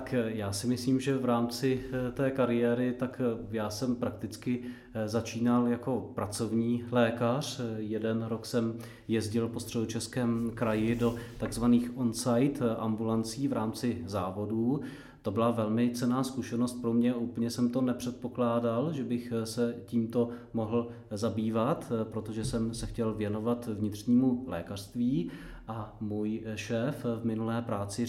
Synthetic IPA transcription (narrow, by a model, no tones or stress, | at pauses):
akjaːsɪmɪsliːmʒɛvɾaːmt͡sɪt̪ɛːkaɾɪjɛːɾɪt̪akjaːsɛmpɾak̚t̪ɪt͡skɪ | zat͡ʃiːnaljako̞pɾat͡so̞vɲiːlɛːkar̝̥jɛdɛnɾo̞ksɛm | jɛzɟɪlpo̞st̪r̥ɛdot͡ʃɛskɛːmkɾajɪdo̞t̪aɡzvaniːxʔonsajt̪ʔa̰mbulant͡siːvɾaːmt͡sɪzaːvo̞duː | t̪o̞bɪlavɛlmɪt͡sɛnaːskuʃɛnost̪̚pɾo̞mɲɛʔuːpl̩ɲɛsɛmt̪o̞nɛpr̝̥ɛt̪̚po̞klaːdalʒɛbɪxsɛciːmt̪o̞mo̞ɦl̩ | zabiːvat̪pɾo̞t̪oʒɛsɛmsɛxcɛlvjɛno̞vat̪vɲɪt̪r̝̥ɲiːmulɛ̰ːkar̥st̪viː | ʔamuːjʃɛːfvmɪnulɛːpɾaːt͡sɪ